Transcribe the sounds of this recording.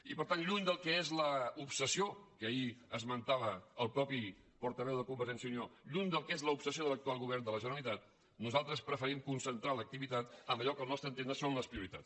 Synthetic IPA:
ipəɾt̪anʎuɲd̪əlˠkɛezləupsəsiokəiəzmənt̪aβəːlˠpɾɔpi | pɔɾt̪əβɛwðəkumbəɾʒɛnsjəunioʎuɲd̪əlˠkezləupsəsioðələk̚t̪ualˠɣuβɛrnd̪ələʒənəlit̪at̪̚ | nuzalˠt̪ɾəspɾəfəɾimkunsənt̪ɾalək̚t̪iβit̪at̪əməʎɔkəlˠnɔst̪ɾənt̪end̪əsonləspɾiuɾit̪a̰t͡s

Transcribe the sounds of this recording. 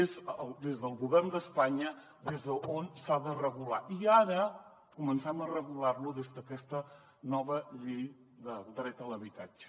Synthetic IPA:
ezəlˠd̪ezðəlˠɣuβɛrnd̪əspaɲə | d̪ezðəonsaðərəɣula̰ʔiaɾə | kumənsɛmərəɣularluðezðəkɛst̪ə | nɔβəʎej | d̪əlˠd̪ɾɛt̪ələβit̪ad͡ʒə̥

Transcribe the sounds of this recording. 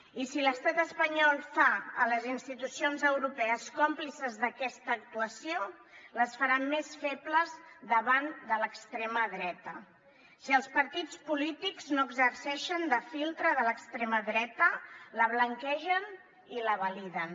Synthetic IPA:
isiləst̪at̪əspəɲɔlˠfaə̰ləzinst̪it̪usionzəwɾupɛəskomplisəzðəkɛst̪əːk̚t̪uəsio | ləsfəɾamːesfepləzðəβand̪ələkst̪ɾeməðɾɛt̪ə | siəlˠspəɾt̪it͡spulit̪ikznoəɡzəɾsɛʃənd̪əfilˠt̪ɾəðələkst̪ɾeməðɾɛt̪ələβləŋkɛʒən | iləβəliðən

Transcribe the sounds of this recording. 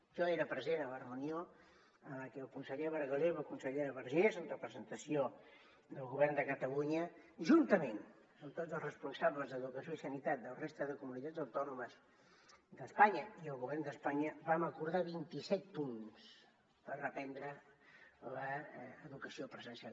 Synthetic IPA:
ʒɔeɾəpɾəzenələrəunio | ələkɛəlˠkunsəʎeɾəβəɾɣəlewβakunsəʎeɾəβəɾʒezənrəpɾəzənt̪əsio | d̪əlˠɣuβɛrnd̪əkət̪əluɲə | ʒunt̪əmen | əmt̪od͡zəlˠrəspunsaβləzðəðukəsioisənit̪at̪̚d̪əlrest̪əðəkumunit̪ad͡zəwt̪ɔnuməz | d̪əspaɲəiəlˠɣuβɛrnd̪əspaɲəβaməkuɾð̞aβint̪isɛt̪̚puns | pərəpɛnd̪ɾə | ləːðukəsiopɾəzənsja

